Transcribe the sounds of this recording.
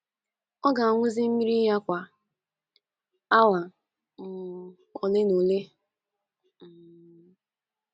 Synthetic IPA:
ɔ˦ɡa˨a˨ŋʷʊ˦zɪ˦m̩˦mi˦ɾi˦ja˦kʷa˨ | a˦wa˨ | ŋ̩˨ | kɔ˨le˦no˨le˦ | m̩˦˨

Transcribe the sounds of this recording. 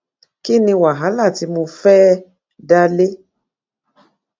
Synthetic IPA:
ki˦nĩ˧wa˨ɦa˨˦la˦˨ti˧mõ˧fɛː˦ | da˧le˦

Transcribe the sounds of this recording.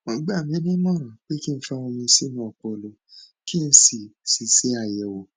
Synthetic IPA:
mɔ̃˧ɡ͡ba˦˨mĩ˨˦nĩ˦mɔ̃˦˨ɾ̃ã˨k͡pe˦ki˦n̩˧˦fɛ˦w̃ɔ̃˧mĩ˧si˦nũ˧˦ɔ˨k͡pɔ˧˨lo˧ | ki˦n̩˧si˨si˨si˨˦a˦˨jɛ˨wo˨

